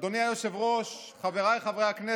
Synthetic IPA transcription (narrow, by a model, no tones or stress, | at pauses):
d̪oniajoʃevʁoʃ | χaveʁajχavʁejhakne